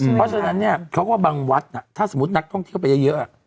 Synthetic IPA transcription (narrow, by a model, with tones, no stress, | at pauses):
pʰɔ˦˥t͡ɕʰa˧na˦˥nːi˥˩ɐkʰo˦˥k̚waː˥˩baː˧ŋwa˦˥t̪̚na˨˩t̪ʰaː˥˩so˩˦mːu˦˥t̪̚na˦˥k̚t̪ʰɔ˥˩ŋt̪ʰi˥˩wp̬a˧jɤ˦˥˩jɤ˦˥ʔa˨˩